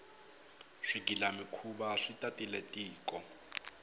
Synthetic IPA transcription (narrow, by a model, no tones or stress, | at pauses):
ʂik̬ʼilamikʰuɓaʂitʼatʼilɛtʼiːkʼɔ